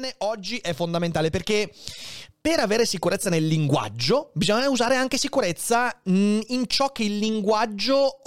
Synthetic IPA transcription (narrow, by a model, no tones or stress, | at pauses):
neʔɔd͡ʒːiʔɛfːond̪ament̪aːleperke | peɾaveːɾesikuɾet̪sːanelːiŋɡwa̰d͡ʒːobizɔɲːauzaːɾeaŋkesikuɾet̪sːaint͡ʃɔk̟ːeilːiŋɡwad͡ʒːo